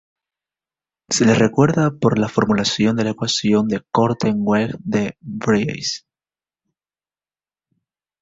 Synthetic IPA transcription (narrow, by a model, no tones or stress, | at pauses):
se̞le̞sre̞kwe̞ɾðapo̞ɾlafo̞ɾmulasjo̞nd̪e̞laekwasjo̞nd̪e̞ko̞ɾt̪eŋɡweɡd̪ebɾḭjs